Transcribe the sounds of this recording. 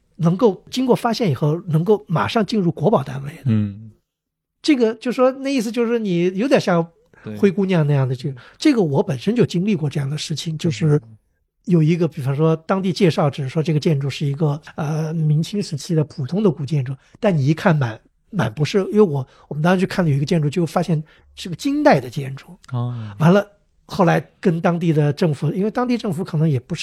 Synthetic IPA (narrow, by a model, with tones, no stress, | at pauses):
nɤ˧˥ŋko˥˩ʊt͡ɕi˥ŋkwɔ˥˩fa˥ɕjɛ˥˩ni˨˩xo˥˩ʊnɤ˧˥ŋko˥˩ʊma̰˨˩ʂɑ˥˧ŋt͡ɕi˥˧nɻu˥˩kwɔ˧˥pɑ˨˩ʊt̪a̰˥nwe˧˥˩ɪ | ʈ͡ʂɤ˥˩ɡə˩t͡ɕjo˥˧ʊʂ̩˥˩ʂwɔ˥na˥˧ɪi˥˩s̬ɹ̩˩t͡ɕjo˥˧ʊʂɻ̩˥˩ni˨˩jo˧˥ʊt̪ja˨˩ɕjɑ˥˧˥ | xwe˥ɪku˥˧na˥˧jna˥˧jɑ˥˩ŋd̪ə˩t͡ɕjo˥˧˩ʈ͡ʂɤ˥˩ɡə˩wɔ˧˥pə˨˩nʂə˥nt͡ɕjo˥˩ʊt͡ɕi˥ŋli˥˧kwɔ˥˧ʈ͡ʂɤ˥˧jɑ˥˩ŋd̪ə˩ʂɻ̩˥˩t͡ɕʰi˨˩ŋt͡ɕjo˥˧ʊʂɻ̩˥˩ | jo˨˩ʊi˧˥ɡə˧pi˨˩fɑ˧˥ŋʂwɔ˥t̪ɑ˥ŋt̪i˥˧t͡ɕjɛ˥˧ʂɑ˥˩ʊʈ͡ʂɻ̩˨˩˥ʂwɔ˥ʈ͡ʂɤ˥˩ɡə˩t͡ɕjɛ˥˧nʈ͡ʂu˥˧ʂɻ̩˥˩i˧˥ɡə˧ə˧mi˧˥ŋt͡ɕʰi˥ŋʂɻ̩˧˥t͡ɕʰi˥d̪ə˨pʰu˨˩t̪ʰʊ˥ŋd̪ə˨ku˨˩t͡ɕjɛ˥˧nʈ͡ʂu˥˩t̪a˥˩nni˨˩i˧˥kʰa˥˩nma˨˩˦n | ma̰˨˩npu˧˥ʂɻ̩˥˩je˥˩wɔ˧˥wɔ˨˩mə˦n˥˧˥t͡ɕʰkʰa˥˩nlə˨jo˨˩˧ɡə˧t͡ɕjɛ˥˧nʈ͡ʂu˥˩t͡ɕjɻ̩˥˧fa˥ɕjɛ˥˧n | ʈ͡ʂɤ˥˩ɡə˩t͡ɕi˥nt̪a˥˩ɪd̪ə˩t͡ɕjɛ˥˧nʈ͡ʂu˥˩wa˧˥nlə˧ | xo˥˩ʊla˧˥ɪkə˥nt̪ɑ˥ŋt̪̬i˥˩d̪ə˩ʈ͡ʂɤ˥˩ŋfu˨˩i˥nwe˥˩ɪt̪ɑ˥ŋt̪i˥˧ʈ͡ʂɤ˥˩ŋfu˧˥kʰɤ˨˩nɤ˧˥ŋjɛ˨˩pu˧˥ʂ̩˥˩